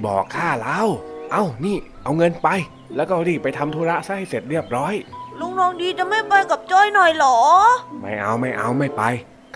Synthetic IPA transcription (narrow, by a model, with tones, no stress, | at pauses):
bɔ̰ː˨˩kʰːaː˥˩laː˦˧˥wʔa˧˩wniː˥˩ʔa˧wŋɤ˧npa˧j | lɛː˦˥wkɔː˥˩ɾiː˧˩pa˧jt̪ʰa˧mt̪ʰoː˧ɾa˦˥ʔsa˧˥˩ha˥˩jse˨˩t̪̚ɾi˥˩əp̚ɾɔː˦˥˩jlu˧˥˨ŋlɔː˧ŋdiː˧t͡ɕa˨˩ma˥˩jpa˧jka˨˩p̚t͡ɕɔː˥˩jnɔ˨˩jlɔː˩˦ma˥˩jʔa̰˧wma˥˩jʔa̰˧wma˥˩jpa˧j | k